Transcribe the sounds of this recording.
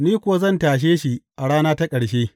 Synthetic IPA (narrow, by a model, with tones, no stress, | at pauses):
niː˦kʷʊ˨wa˦zɐ˦˨ntaː˨ʃ̬eː˦ʃi˨ʔa˨ɽaː˦naː˦ta˦kʼɐ˨ɽʃeː˦